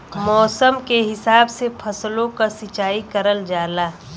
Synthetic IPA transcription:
mɔːsəmkeɦɪsaːbsepʰɐslõkasɪt͡ʃaːikəɾəld͡ʒaːlaː

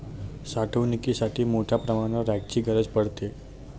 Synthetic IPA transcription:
saʈʰəʋnikisaʈʰiːmoʈʰjapɾəmaɽ̃əɾaɡ̚t͡ɕiːɡʱəɾəd͡zpəɽt̪e

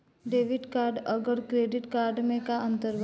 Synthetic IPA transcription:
ɖeːʋɪɖkaːɾɖɐɡəɾkɾeːɖɪʈkaːɾɖmẽkaɐ̃nt̪əɾb

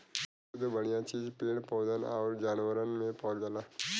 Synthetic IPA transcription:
d̪bəɽijat͡ʃiːd͡ʒpeːɽpɔːd̪ənɔ̰ːɾd͡ʒaːnʋəɾənmẽpɔːd͡ʒəlaː

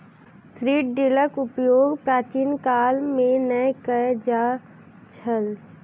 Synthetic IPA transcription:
sɾiːʈ̚ɖɪləkʊpjoːɡpɾaːt͡ʃiːnkaːlmẽnəjkəd͡ʒaː | t͡ʃʰəl

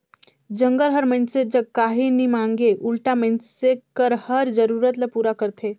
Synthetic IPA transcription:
d͡ʒə̃ŋɡəɾɦəɾmənsed͡ʒəɡ̚kaɦinimaŋɡeʔulʈamənsekəɾhəɾd͡ʒəɾuɾət̪ləpuɾakəɾt̪ʰe

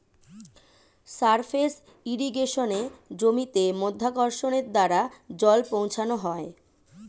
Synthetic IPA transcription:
saɾfʰes | iɾiɡeʃoned͡ʑomit̪emod̪ʱːakɔɾʃoneɾd̪aɾad͡ʑɔlpõw̃t͡ɕʰanoɦɔe

